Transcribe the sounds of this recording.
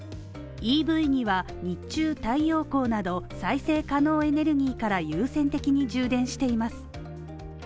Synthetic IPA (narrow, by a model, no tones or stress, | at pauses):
iːbɯ̟iɲ̟iβa | ɲ̟it͡ɕɨːt̪aijo̞ːko̞ːnad̪o̞saise̞ːkano̞ːe̞ne̞ɾɯ̟ɡʲiːkaɾajɯːsẽ̞nt̪e̞kʲiɲ̟id͡ʑɨːd̪ẽ̞ɰ̃ɕi̥t̪e̞imasɨ̥